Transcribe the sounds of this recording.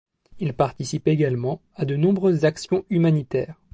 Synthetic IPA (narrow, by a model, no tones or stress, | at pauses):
ilpaʁt̪isipeɡalmɑ̃ | ad̪ənɔ̃bʁøzːaksjɔ̃ymanit̪ɛːʁ